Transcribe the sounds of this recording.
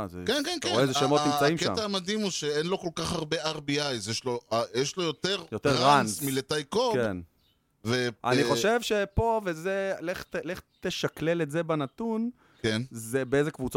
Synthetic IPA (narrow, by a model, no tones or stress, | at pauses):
zḛkenkenkeezeʃemonimt͡saimkea̰maːmad̪imuʃeenloko̞lkaχaʁbeaʁbiajzjeʃloajeʃlojot̪eʁjot̪eʁːanmilet̪ajkokkḛn | veʔa̰niχo̞ʃe̞vʃe̞po̞vezeleχt̪leχt̪eʃakle̞letzebanat̪un | enzebeezekvut͡s